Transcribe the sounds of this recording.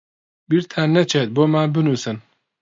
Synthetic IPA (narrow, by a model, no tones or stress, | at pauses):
biɾt̪ʰaːnɛt͡ʃʰet̪̚boːmaːbɨnuːsɨn